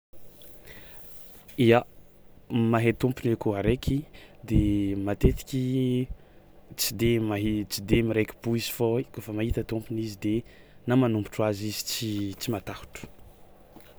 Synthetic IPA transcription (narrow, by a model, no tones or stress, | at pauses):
ia | maɦet̪umpinekuaɾekʰʲid̪emat̪et̪i̥kʲi | t͡sid̪emaɦit͡sid̪emiɾekʲi̥buizi̥foikofəmaɦit̪ət̪umpinizid̪e | namanumbu̥ʈ͡ʂuazizi̥t͡sit͡simat̪ahu̥ʈ͡ʂu̥